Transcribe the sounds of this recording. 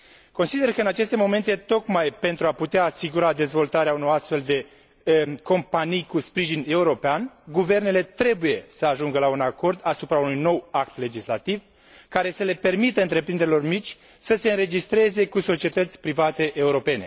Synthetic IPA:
ko̞nsid̪e̞rkəɨnat͡ʃe̞st̪e̞mo̞me̞nt̪et̪o̞kmajpe̞nt̪ɾuaput̪eaːsiɡuɾad̪e̞zvo̞lt̪aɾeauno̞ɾast̪fe̞ld̪e̞ | ko̞mpanijkuspɾiʒine̞uɾo̞peanɡuve̞rne̞le̞t̪ɾe̞buje̞səaʒuŋɡəlaunako̞rd̪asupɾaunujno̞wakt̪le̞d͡ʒislat̪iv | kaɾe̞səle̞pe̞rmit̪əɨnt̪ɾe̞pɾind̪eɾilo̞rmit͡ʃʲ | səse̞ɨnɾe̞d͡ʒist̪ɾe̞ze̞kuso̞t͡ʃie̞t̪ət̪sʲpɾivat̪e̞ʔeuɾo̞pe̞ne̞

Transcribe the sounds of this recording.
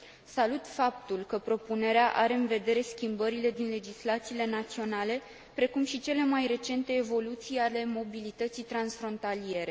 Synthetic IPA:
salut̪fap̚t̪ulkəpɾo̞pune̞ɾeaʔaɾe̞ɨnve̞d̪e̞ɾe̞skʲimbəɾile̞d̪inle̞d͡ʒislat̪siːle̞nat̪sio̞nale̞ | pɾe̞kumʃit͡ʃe̞le̞majre̞t͡ʃe̞nt̪e̞ːvo̞lut̪sijale̞mo̞bilit̪ət̪sijt̪ɾansfɾo̞nt̪alije̞ɾe̞

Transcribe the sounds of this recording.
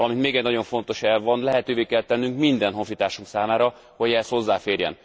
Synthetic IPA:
lɒmint̪meːɡɛɟnɒɟo̞ɱfo̞nt̪o̞ʃɛlvɒnlɛɦɛt̪øːveːkɛlt̪ɛnːyŋkmind̪ɛnɦo̞ɱfit̪aːʃuŋksaːmaːɾɒ | hoɟɛɛst̪ho̞zːaːfeːrjɛ̰n

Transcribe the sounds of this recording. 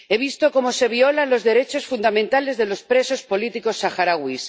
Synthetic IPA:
e̞β̞ist̪o̞ko̞mo̞se̞β̞iolalo̞zðe̞ɾe̞t͡ʃo̞sfund̪amẽnt̪ale̞zðe̞lo̞spɾe̞so̞spo̞lit̪iko̞sːaxaɾaɣwis

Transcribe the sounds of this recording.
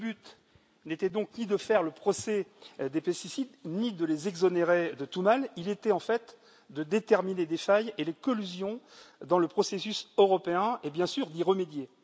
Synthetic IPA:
əbyt̪ | net̪ɛd̪ɔ̃knid̪əfɛʁləpχɔsɛd̪epɛst̪isid̪nid̪əlezɛɡzɔneʁed̪ət̪umalilet̪ɛɑ̃fɛt̪ | d̪əd̪et̪ɛʁmined̪efajelekɔlyzjɔ̃d̪ɑ̃ləpχɔsesysøʁɔpeɛ̃ebjɛ̃syʁd̪iʁəmed̪je

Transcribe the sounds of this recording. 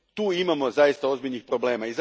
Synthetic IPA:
t̪uːimamo̞zajist̪ao̞zbiʎnixpɾo̞ble̞ːmaiza

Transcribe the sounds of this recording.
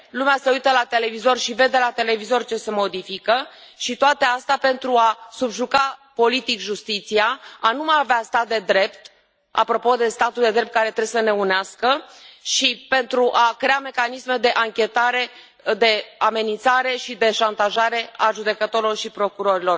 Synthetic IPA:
lumease̞ujt̪əlat̪e̞le̞vizo̞rʃive̞d̪e̞lat̪e̞le̞vizo̞rt͡ʃe̞se̞mo̞d̪ifikəʃit̪oat̪east̪ape̞nt̪ɾuasubʒukapo̞lit̪ikʒust̪it̪siaanumajaveast̪at̪̚d̪e̞d̪ɾe̞pt̪ | a̰pɾo̞po̞d̪e̞st̪at̪uld̪e̞d̪ɾept̪̚kaɾe̞t̪ɾeesəne̞uneaskəʃipe̞nt̪ɾuʔakɾe̞ame̞kanisme̞d̪e̞ʔaŋkʲe̞t̪aɾe̞ | d̪e̞ame̞nint̪saɾe̞ʃid̪e̞ʃant̪aʒaɾe̞aʒud̪e̞kət̪o̞ɾilo̞rʃipɾo̞kuɾo̞ɾilo̞r

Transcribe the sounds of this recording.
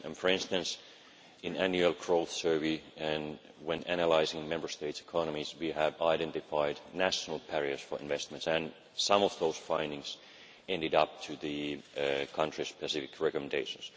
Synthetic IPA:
ɨ̃nfə˞ɪ̃nstɨ̃ns | ɨ̃næ̃njʉlˠkʰɹ̥oʊθsɜ˞viɨ̃n | wɛ̃næñəlaɪzɪ̃ŋmɛ̃mbə˞steɪtsɨ̥kʰɑnəmizwiəvaɪɾɛ̃ntɨfaɪdnæʃnl̩ˠpʰɛɹiə˞sfə˞ɪ̃nvɛst̚mɨ̃ntsɨ̃n | sʌ̃mɔvðoʊz̥fãɪ̃ndɪ̃ŋz̥ | ɛ̃ndɨɾʌp̚tʰɨðɨ | kʰʌ̃ntɹ̥ispɨsɪfɪkʰɹɛkɔmɨ̃ndeɪʃə̃ns

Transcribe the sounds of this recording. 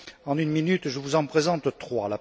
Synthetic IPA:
ɑ̃nynminyt̪ʒəvuzɑ̃pχezɑ̃t̪t̪χwa̰la

